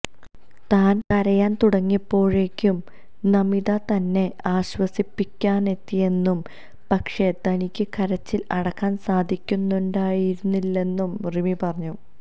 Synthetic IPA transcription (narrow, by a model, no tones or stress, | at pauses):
t̪aːnkɐɾɐjaːnt̪uɽɐŋːipːo̞ːɻe̞kʲːum | nɐmiðɐt̪ɐnːe̞aːɕwɐsipːikʲːaːne̞t̪ːije̞nːum | pɐkʂe̞t̪ɐnikʲːɨkɐɾɐt͡ɕːilɐɽɐkːaːnsaːd̪ʱikʲːunːuɳɖaːjiɾunːilːe̞nːumrimipɐrɐɲːu